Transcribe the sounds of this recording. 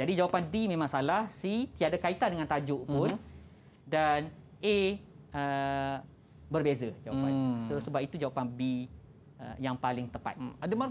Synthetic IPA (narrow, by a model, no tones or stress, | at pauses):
d͡ʒadid͡ʒawapandimẽmãŋsalahsit̪iadakait̪andəŋãnt̪ad͡ʒʊʔpʊn | danʔeə | bərbezəd͡ʒawapansəsəbap̚it̪ud͡ʒawapanbi | ə̰jaŋpalɪŋt̪əpa̰t̪adəma